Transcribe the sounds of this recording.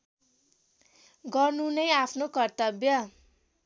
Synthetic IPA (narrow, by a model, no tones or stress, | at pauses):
ɡʌrnunʌjapʰnokʌrt̪ʌbjʌ